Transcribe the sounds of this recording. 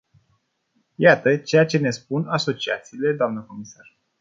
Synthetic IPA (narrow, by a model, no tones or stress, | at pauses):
jat̪ət͡ʃe̞jat͡ʃe̞ne̞spunaso̞t͡ʃia̰t̪siːle̞d̪oamnəko̞misar